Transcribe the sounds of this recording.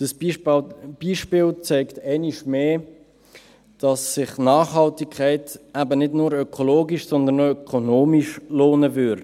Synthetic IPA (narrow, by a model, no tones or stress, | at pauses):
d̥əs | b̥iːʃpɪːlt͡sɛɪktɛɪniʃmeː | d̥ɑsːɪχnaːχɦɑltɪkkʰːɛɪtæbənɪdnuːɾœkʰoloːɡiʃsɔnd̪ənoœkʰonoːmiʃloːnəvʏɾ